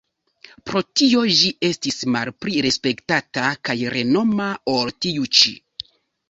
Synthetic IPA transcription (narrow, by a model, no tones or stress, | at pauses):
pɾo̞tio̞ʒiʔe̞stismalpɾiɾe̞spe̞ktatakajɾe̞no̞maoltiut͡ʃḭ